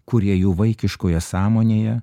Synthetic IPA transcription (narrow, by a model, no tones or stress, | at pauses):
kʊɾʲiɛjuːʋɐɪkʲɪʃkoːjɛsɑːmoːnʲeːjɛ